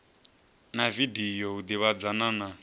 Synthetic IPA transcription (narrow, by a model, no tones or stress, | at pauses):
navidijɔud̪iβad͡zanana